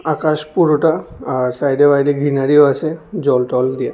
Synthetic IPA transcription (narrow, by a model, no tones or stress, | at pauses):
akaʃpuɾoʈaːɾsajdebajdiɡʱinaɾioasʰed͡ʑɔlʈɔld̪ija